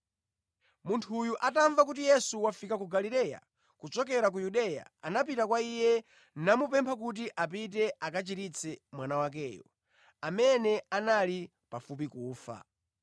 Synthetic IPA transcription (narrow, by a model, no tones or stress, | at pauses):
muntʰujuʔataɱvakut̬ijɛsuwafikak̬uɡalilɛja̰ | kut͡ʃɔk̬ɛɾak̬ujuɗɛja̰anap̬itakwaijɛ | namupɛmpʰak̬ut̬iʔap̬it̬ɛʔakat͡ʃitit͡sʰɛmwanawak̬ɛːjɔ̰ | amɛnɛanali | pafup̬ikuːfa̰